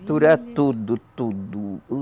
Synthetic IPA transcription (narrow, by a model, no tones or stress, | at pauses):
t̪uɾat̪ud̪ut̪ud̪u